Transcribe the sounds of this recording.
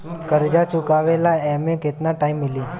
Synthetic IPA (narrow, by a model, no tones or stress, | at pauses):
kəɾd͡ʒat͡ʃukaʋelaɛmẽket̪naʈaimːɪli